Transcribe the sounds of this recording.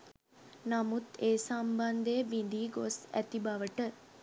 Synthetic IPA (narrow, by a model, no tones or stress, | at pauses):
namut̪eːsamband̪ejəbind̪iːɡosæ̰t̪ibaʋəʈə